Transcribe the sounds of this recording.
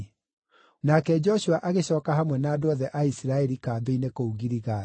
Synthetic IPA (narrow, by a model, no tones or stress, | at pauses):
nakɛd͡ʒɔɕuaʔaɣeɕɔːkahamwɛnaːdoɔðɛʔaisiɾaɛɾikaːbeinekouɣiɾiɣa